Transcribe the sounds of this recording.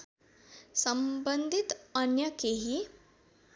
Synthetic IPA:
səmbənd̪ʱit̪ənjɐkeɦi

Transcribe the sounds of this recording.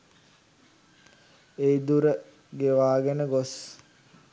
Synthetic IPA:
eid̪uɾə | ɡeʋaːɡenəɡos

